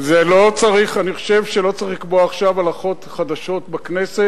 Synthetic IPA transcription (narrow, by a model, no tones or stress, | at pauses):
zelo̞t͡saʁiχaniχo̥ʃe̞vʃelo̞t͡siχlikboaːχʃavalaχo̞t̪χad̪aʃo̞tbakne̞set